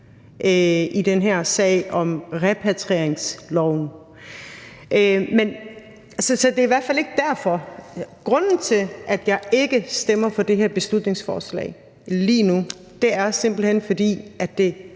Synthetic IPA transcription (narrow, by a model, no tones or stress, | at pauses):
ʔøid̥enɦæɐ̰sɛ̰ɪ̰ɒ̽mʁɛpʰæt͡sʰʁeɐ̰eŋslɒʊ̰n | ʔømen | ælsəsɒ̽d̥e̝iʋæɐ̰d̥fæle̝ɡ̥əd̥æɐ̰fɒ̽ɡ̥ʁɔ̽n̰n̩t͡sʰe̝lʔæd̥jɑ̈ɪe̝ɡ̥əsd̥emɐfɒ̽d̥e̝ɦæɐ̰b̥e̝slud̥ne̝ŋsfɒ̰ːslɛ̰ːɪ | liːnu | d̥e̝æɐse̝m̰b̥l̩hen̰fɒ̽d̥ḭːʔæd̥ːe̝